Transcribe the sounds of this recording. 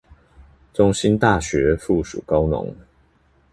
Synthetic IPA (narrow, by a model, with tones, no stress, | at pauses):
ʈ͡ʂʊ˥ŋɕi˥nt̪a˥˨ɕɥɛ˨˥˦fu˥˩ʂṵ˨˩kɑ˥ʊnʊ̰˧˥˦ŋ